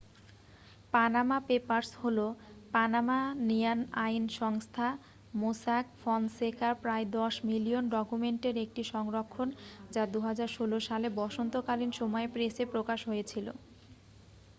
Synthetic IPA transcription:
panamapepaɾsholopanamanijanajnʃɔŋst̪ʰa | mosakfɔnsekʰaɾpɾaed̪ɔʃmilionɖɔkumeɳʈeɾek̚ʈiʃɔŋɾokʰːond͡ʑad̪uɦad͡ʑaɾʃoloʃalebɔʃont̪okalinʃɔmɔepɾesepɾokaʃɦojet͡ɕʰilo̰

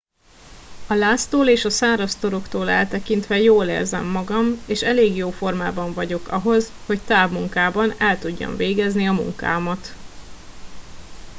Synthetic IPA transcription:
ɒlaːst̪oːleːʃɒsaːɾɒst̪o̞ɾo̞kt̪oːlɛ̰lt̪ɛkint̪ʋɛjoːlḛːrzɛ̰mːɒɡɒmeːʃɛleːɡjoːfo̞rmaːbɒɱvɒɟo̞kɒ̰ɦo̞zho̞ct̪aːbmuŋkaːbɒnɛlt̪uɟːɒ̰ɱveːɡɛzniɒmṵŋka̰ːmɒt̪

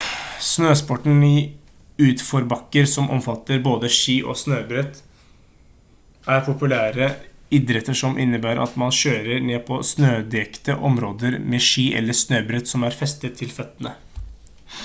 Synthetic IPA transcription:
snøːspɔʈn̩ɪ | ʉːt̪fɔɾbɑkːəɾsɔmʔɔ̰mfɑt̪ːəɾboːd̪əʂiːʔɔ̰snøːbɾɛt̪ | æɾpʰʊpʉlæːɾəɪd̪ɾɛt̪ːəʂɔmʔɪ̰nːəbæːɾʔɑ̰t̪mɑnɕøːɾəɾɳeːpʰɔsnøːd̪ɛkt̪əʔɔmɾoːd̪əɾmeːʂiːʔɛ̰lːəsnøːbɾɛt̪sɔmæɾfɛst̪ət̪ʰːɪlfœt̪ːənə

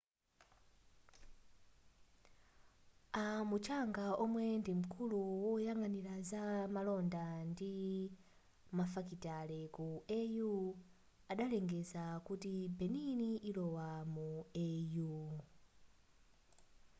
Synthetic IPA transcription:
amut͡ʃaŋɡaɔmwɛndim̩kʰuluwɔjaŋɡanilazamalɔndandi | mafakitalɛkuɛju | aɗalɛŋɡɛzakutibɛniniʔilɔwamuɛju

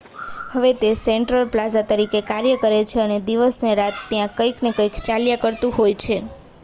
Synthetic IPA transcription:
həʋet̪eseɳʈɾəlplazat̪əɾikekaɾjəkəɾet͡ʃʰeəned̪iʋəsneɾat̪ːjãkəjknekəikt͡ʃaljakəɾt̪ũɦojt͡ʃʰe

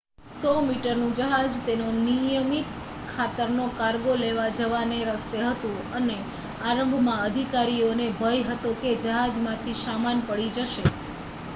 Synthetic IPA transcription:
sɔmiʈəɾnũd͡ʒəɦad͡ʒt̪enonijəmit̪ | kʰːat̪əɾnokaɾɡoleʋad͡ʒəʋaneɾəst̪eɦət̪ũəne | aɾə̃mbʱmãəd̪ʱikaɾionebʱəjɦət̪oked͡ʒəɦad͡ʒmãt̪ʰiʃamanpəɽid͡ʒəʃe

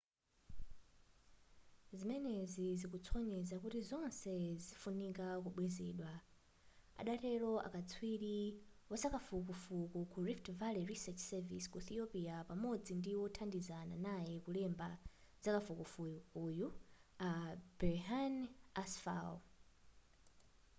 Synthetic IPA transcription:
zimɛnɛzizikut͡sʰɔɲɛzakutizɔnsɛzifunikak̬uɓwɛzɛɗwa | a̰ɗatɛɾɔʔa̰kat͡sʰwiɾiwɔsakafuk̬ufukukuɾiftvaliɾisɛt͡ʃsɛviskuθiɔpiapamɔd͡zindiwɔtʰandizana̰najɛkulɛmba | z̥akafukufujukuːjuab̥ɛɦanasfa̰l

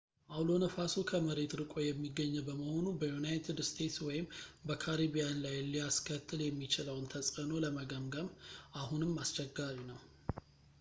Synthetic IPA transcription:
ʔawlo̞nəfasokʰəməɾe̞t̪ɾɨkʼo̞jɛmːiɡːəɲːɛwbəməho̞nubəjunajt̪ʰɨd̪st̪ʰe̞t̪swɔjɪmbəkʰaɾiβijanlajlijaskʰət̪ʰːɨljɛmːit͡ʃɪləwnt̪ʰəsʼəno̞ləməɡəmɡəmʔahunɨmːast͡ʃʼɛɡːaɾinəw

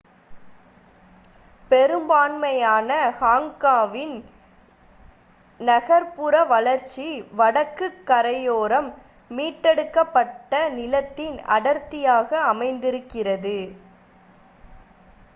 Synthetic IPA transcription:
pɛɾɯmbaːnmɐjaːnɐhaːŋkaːʋɪn | nɐɣɐɾpɯɾɐʋɐlɐɾt͡ʃːiʋɐɽɐkːɯkːɐɾɐjoːɾɐmː | iːʈːɛɽɯkːɐpːɐʈːɐnɪlɐt̪ːɪnɐ̰ɽɐɾt̪ːɪjaːɣɐːmɐɪnd̪ɪɾɯkːɪrɐðɯ

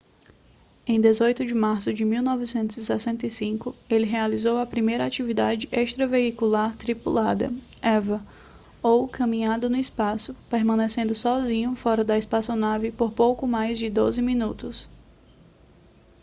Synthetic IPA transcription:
ẽj̃d̪ezojt̪ʊd͡ʒɪmaɾsʊd͡ʒɪmiwnɔvɪsẽnt̪ʊzisɛsẽnt̪ejsĩkʊelɪɦealizowɐpɾimejɾɐat͡ʃivid̪ad͡ʒɪʔeʃt̪ɾɐveikulaɾt̪ɾipulad̪ɐ̰ɛvɐ | owkɐ̃mĩɲad̪ʊnʊɪspasʊpeɾmɐ̃nesẽnd̪ʊsɔzĩɲʊfɔɾɐd̪ɐispasonavɪpoɾpowkʊmajzd͡ʒɪd̪ozɪmĩnut̪ʊs

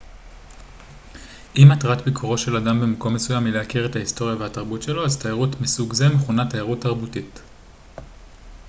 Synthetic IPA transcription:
ʔimatʁatbikʰoʁo̞ʃe̞ladambe̞mako̞mːe̞sujamileakiʁe̞tahisto̞ʁijavehataʁbutʃe̞lo̞aztajeʁutmisuɡze̞meχunatajaʁutːaʁbutit

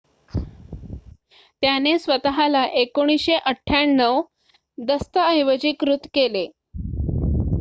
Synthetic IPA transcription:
t̪janesʋət̪aɦalaʔekoɽ̃isɕeʔəʈʰːjaɳːəw | d̪əst̪əəjʋəd͡ʑiːkɾut̪kele

